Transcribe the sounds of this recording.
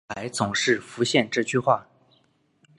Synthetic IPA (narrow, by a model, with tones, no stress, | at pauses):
a˧˥ɪt͡sʊ˨˩ŋʂɻ̩˥˩fu˧˥ɕjɛ˥˧nʈ͡ʂɤ˥˩t͡ɕʰy˥˧xwa˥˩